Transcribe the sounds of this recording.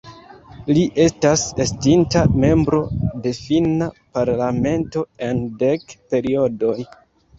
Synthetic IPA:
liʔe̞stase̞stintame̞mbɾo̞de̞finapaɾlame̞nto̞e̞nde̞kpe̞ɾio̞do̞j

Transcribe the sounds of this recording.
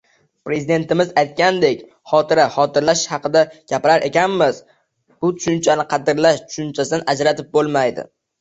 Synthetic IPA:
pɾe̞zid̪e̞nt̪ɪmɪzajt̪̚kʲand̪e̞kʲ | χɒt̪ʰɪɾaχɒt̪ʰɪɾlaʃhɑqɨd̪aɡ̥ʲapɪɾaɾʔe̞kʲanmɪz̥ | b̥ʊt̪ʰʊ̥ʃʊnt͡ʃʰanɪqʰɑd̪ɪɾlaʃt̪ʰʊ̥ʃʊnt͡ʃʰasɪd̪anad͡ʒɾat̪ɪp̚bolˠmajd̪ɪ̰

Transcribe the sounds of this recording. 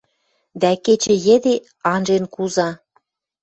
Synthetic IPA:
d̪æket͡ɕə̆jĕd̪e | ɑnʒenkuzɑ

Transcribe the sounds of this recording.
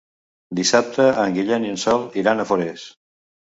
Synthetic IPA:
d̪isap̚t̪əəŋɡiʎɛniənsɔlˠiɾanəfoɾes

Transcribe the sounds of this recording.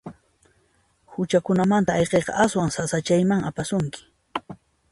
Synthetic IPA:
hʊt͡ʃakʊnamant̪aːjqejqɑ̰ʔaswaŋsasat͡ʃajmaŋapasʊŋkɪ̥

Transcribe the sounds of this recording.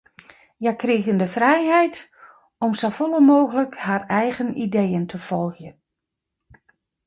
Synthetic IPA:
jakriːɣəndəfrɛjɦɛjt | ɔmsofɔlˠəmoːɣələkharɛjɣənidejəntʰəfɔlˠxjən

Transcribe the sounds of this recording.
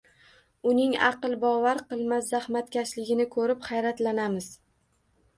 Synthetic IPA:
ʊnɪŋɑ̰qɨlˠbɒvaɾqɨlˠmaszahmat̪kʲaʃlɪɡʲɪnɪkʰɵɾɪpχajɾat̪lanamɪz̥

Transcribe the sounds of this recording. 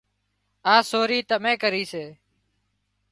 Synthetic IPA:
aːsoːɾiːt̪əmẽːkəɾiːseː

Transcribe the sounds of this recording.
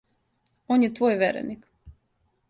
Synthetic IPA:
oːnjet̪ʋoːjʋeɾḛnik

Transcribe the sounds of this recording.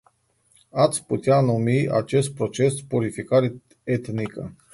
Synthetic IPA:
at̪sʲput̪ʲjanumia̰t͡ʃest̪̚pɾot͡ʃespuɾifikaɾ | et̪nikə

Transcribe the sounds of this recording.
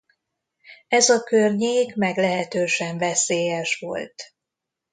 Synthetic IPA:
ɛzɒkørɲeːkmɛɡlɛɦɛt̪øːʃɛɱvɛseːjɛʃʋo̞̰lt̪

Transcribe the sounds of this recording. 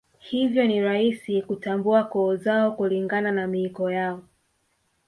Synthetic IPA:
hivjɔniɾaisikutambuakɔːzaɔkuliŋɡananamiikɔjaɔ

